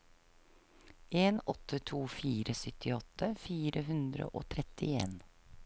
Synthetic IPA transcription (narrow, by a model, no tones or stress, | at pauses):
ʔeːnɔt̪ʰːət̪ʰuːfiːɾəsʏt̪ʰɪɔt̪ːəfiːɾəɦʉnd̪ɾə̰ʔo̰ːt̪ʰɾɛt̪ɪeːn